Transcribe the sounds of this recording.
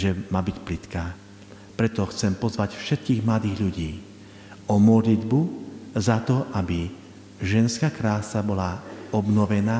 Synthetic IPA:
ʒɛmaːbicplit̪kaː | pɾɛt̪ɔxt͡sɛmpɔzʋacfʃɛt̪̚kiːɣmlad̪iːɣʎuɟiː | ɔmɔd̪lid̪buzat̪ɔʔabi | ʒɛnskaːkɾaːsabɔlaɔbnɔʋɛnaː

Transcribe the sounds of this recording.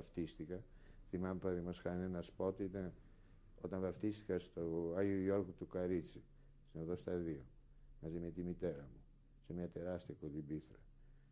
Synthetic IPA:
ɐft̪ist̪ikɐ | θimɐmepɾɐðimosxɐnenɐspot̪it̪ɐn | o̞t̪ɐnvɐft̪ist̪i̥kɐst̪oɐʝiuʝoɾkut̪ukɐɾit͡si | zneðost̪ɐðio | mɐzimet̪imit̪e̞ɾɐmu | semɲɐt̪e̞ɾɐst̪iɐkolibiθɾɐ

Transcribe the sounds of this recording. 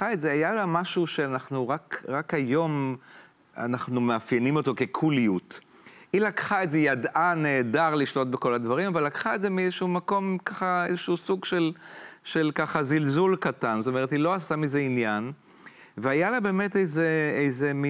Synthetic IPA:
aetzeajalamaʃuʃeanaχnuʁakʁakhajo̞m | a̰naχnumeafjenimo̞to̞ke̞kʰulijut | ilakχae̞ze̞jadʔaneːdaʁliʃlo̞t̚beko̞ladvaʁimavalːakχaezemiɛzeʃuumako̞mkaχaezeʃuusuɡʃe̞lʃe̞lkaχazilzulkatanzotome̞ethiloasamizeinjan | veajalabe̞ːme̞tejzeejze̞mi

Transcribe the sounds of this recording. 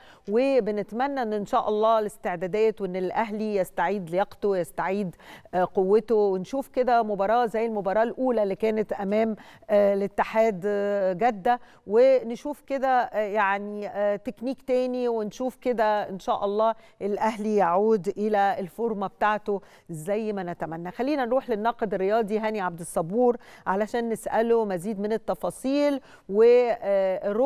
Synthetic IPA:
webenet̪mænːæʔenːʔenʃæːʔɑlˤːɑːlest̪eʕd̪æːd̪æːt̪wʔenːelʔæɦlijæst̪aʕiːd̪lejɑqt̪owjest̪aʕiːd̪qowːet̪owenʃuːfked̪æmobɑɾˤɑːzæjːelmobɑɾˤɑːʔlʔuːlælːiːkæːnet̪ʔæmæːmʔlet̪ːɪħaːd̪ɡæd̪ːæ | wenʃuːfked̪æjaʕnit̪ekniːkt̪æːniwenʃuːfked̪æʔenʃæːʔɑlˤːɑːʔelʔæhlijaʕuːd̪ʔelæelfoɾmɑbet̪aʕt̪o | zæjːmænæt̪æmænːæxælːiːnænɾuːħlenːɑːqed̪ɾːejɑːd̪ˤiɦæniʕab̚d̪esˤːɑbuːɾʕalæʃæːnːesʔælomæziːd̪menet̪ːɑfɑːsˤiːl | we | ɾo

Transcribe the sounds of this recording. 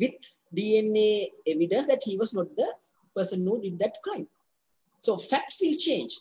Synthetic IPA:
ʋit̪̚ | ɖiːẽneːeʋiɖə̃nsd̪æʈhiːʋɔsnɔʈ̚d̪ə | pəɾsə̃nːuːɖiɖ̚d̪æʈkɾãɪ̃m | soːfæk̚ʈsʋilt͡ʃẽːnd͡ʒ

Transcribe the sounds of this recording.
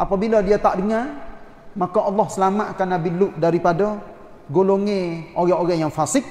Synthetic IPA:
ʔapabiladiat̪aʔdəŋar | makaʔɑlːɔhsəlamaʔ̪kanabilʊʔdaɾipadɔ | ɡoloŋeoɣɛoɣɛjaŋfasɪk̚

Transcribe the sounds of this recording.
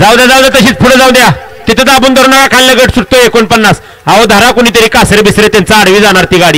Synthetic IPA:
d͡zawd̪jad͡zawd̪at̪əɕiːt͡spʰuɽəd͡zawd̪ja | t̪it̪ʰed̪abuːnd̪ʱəɾunakakʰalləɡəʈsuɽ̚t̪oekonpənːas | ɦaʋəd̪ʱaɾakuɽ̃iːt̪eɾiːkasɾebisɾet̪ant͡saːɽʋiːd͡zaɽ̃aɾt̪iɡaɽiː

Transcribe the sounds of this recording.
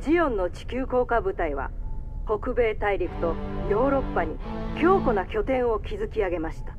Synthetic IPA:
d͡ʑijõ̞nːo̞t͡ɕi̥kʲɨːko̞ːkabɯ̟t̪aiβa̰ho̞kɯ̟be̞ːt̪aiɾʲiɸɯ̥t̪o̞jo̞ːɾo̞pːaɲ̟ikʲo̞ːko̞nakʲo̞t̪ẽ̞ɰ̃o̞kʲizɨkʲiaɡe̞maɕi̥t̪ḁ

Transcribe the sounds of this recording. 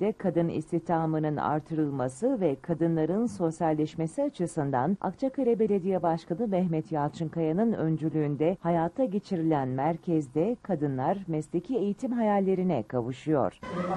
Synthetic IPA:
d̪ɛkʰad̪ɯnḭst̪iht̪ʰaːmɯnɯna̰ɾt̪ʰɯɾɯlˠmasɯvɛkʰad̪ɯnlˠaɾɯnso̞sjalʲːɛʃmesiat͡ʃʰɯsɯnd̪a̰na̰kt͡ʃʰakaɾɛbe̞lʲe̞d̪ijɛbaʃkanɯmɛhmɛt̪jaːlt͡ʃʰɯŋkʰajanɯnø̞̰nd͡ʒylʲyːnd̪ɛhajaːt̪ʰːaɟe̞t͡ʃʰiɾilʲænmæɾcʰɛzd̪ɛkʰad̪ɯnlˠaɾmɛslʲecʰie̞jit̪ʰimɦajalʲːe̞ɾinɛkʰavɯʃɯjo̞̰ɾ̥

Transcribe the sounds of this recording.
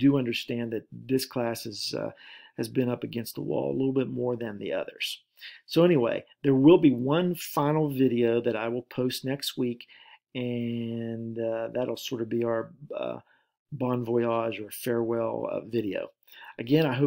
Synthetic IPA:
d̥ɨʌ̃ndə˞stæ̃nðɨt̪̚ðɪskʰl̥æshɨz̥ʌ̰ | ɨzbɨ̃ñʌpɨɡɛ̃nst̪̚ðə̰wɔ̰lˠə̰lɪɾl̩ˠbɪt̚mɔɹðɨ̃nðḭʌ̰ðə̰˞z̥ | soʊɛñiwḛɪðə˞wɪlˠbiwʌ̃nfãɪ̃nl̩ˠvɪɾioʊðɨɾaɪwɪlˠpʰoʊstⁿnɛkst̚wikɨ̃ | nʌðɨɾl̩ˠsɔɹɾʌvbiaə˞ʌ̰ | bɑ̃nvɔɪɑʒə˞fɛɹwɛlˠʌ̰vɪɾio̰ʊ | ʔɨɡɛ̃ñaɪɦoʊ

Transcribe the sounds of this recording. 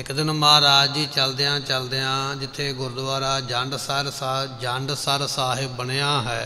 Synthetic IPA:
ɪkd̪ɪnmaːɾaːd͡ʒiːt͡ʃəld̪ejãːt͡ʃəld̪eːãːd͡ʒɪt̪ʰːeːɡʊɾd̪ʊʋaːɾaːd͡ʒə̃ɳɖsəɾsd͡ʒə̃ɳɖsəɾsaːɦɪbːəɽeːãːɦɛː

